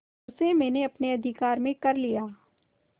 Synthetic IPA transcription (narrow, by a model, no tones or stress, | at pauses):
ʊsemɛːneɐpneɐd̪ʱɪkaːɾmẽkɐɾlijaː